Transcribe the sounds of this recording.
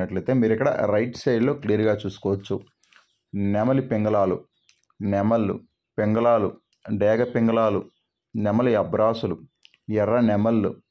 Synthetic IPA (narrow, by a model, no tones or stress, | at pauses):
nɐʈlɐjt̪e̞ːmiːɾikːɐɽɐ̰ɾɐjʈsɐjɖlo̞ːklijɐɾɡaːt͡ʃuːsu̥kɔːʋɐt͡ʃːu | nɛmɐlipeŋɡɐlaːlṵ | nɛmɐlːṵ | peŋɡɐlaːlṵ | ɖɛːɡɐpeŋɡɐlaːlṵ | nɛmɐliɐbɾaːsulu | jɛrɐnɛmɐlːṵ